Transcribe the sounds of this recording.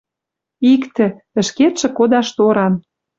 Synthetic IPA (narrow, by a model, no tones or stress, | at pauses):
ikt̪ĕ | ə̆ʃket̪ʃɘ̆kod̪ɑʃt̪oɾɑn